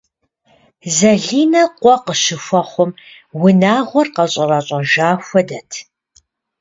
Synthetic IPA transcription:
zɐɮiːnɐqʷɔqəʃɪxʷɔχʷɔm | wʊnaːʁʷɔrqɐɕʼɐrɐɕʼɐʒaːxʷɔdɐtʰ

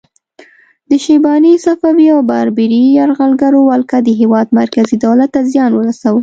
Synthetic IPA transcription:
d̪əʃibɑnisafɑwiawbaɾbiɾijaɾɣalɡaɾowalkad̪əɦewɑd̪maɾkazid̪awlat̪ːazjɑnwəɾasawəl

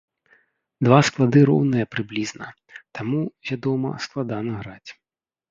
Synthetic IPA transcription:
d̪vasklˠad̪ɨɾɔ̰wnɨjɐpɾɨblʲiznɐ̰ | t̪amuvʲad̪ɔmɐ̰sklˠad̪anɐɣɾat͡sʲ

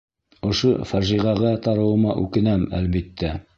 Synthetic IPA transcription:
ŏʃofæʒiʁɑʁɑt̪ɑɾɤ̆wɤ̆mɑʔʉ̰kɘ̆næmæ̰lβit̪ːæ

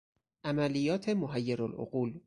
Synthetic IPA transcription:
ʔæmælijːɒːt̪ʰe̞moɦæjːeɾolʔo̰ɢuːl

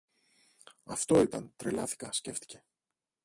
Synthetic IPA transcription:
ɐft̪o̞it̪ɐnt̪ɾelɐ̰θi̥kɐsce̞ft̪i̥ce̞

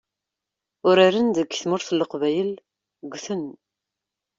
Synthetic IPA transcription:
ʊɾaɾənd̪əɡθmʊɾθəlːəqvæjəl | ɡʷθən

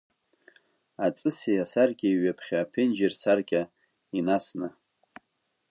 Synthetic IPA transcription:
at͡sʼɨsijasarɡʲʼaiɥapʰχʲaːpʰɪnd͡ʒersarɡʲʼa | inasna

